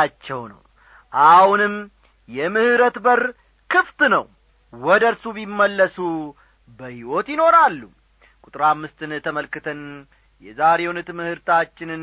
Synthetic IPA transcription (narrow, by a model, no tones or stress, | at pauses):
at͡ʃːɛwnə̰w | ʔahunɨmː | jɛmɨhɨɾət̪bər | kʰɨft̪nəw | wɔd̪əɾsubimːəlːəsu | bəhiwot̪jɪno̞ɾalːu | kʼut̪ʼɾamːɨst̪ʰɨnt̪ʰəməlkːɨt̪ʰən | jɛzaɾewnɨt̪mɨhɨɾt̪ʰat͡ʃːɪnɨn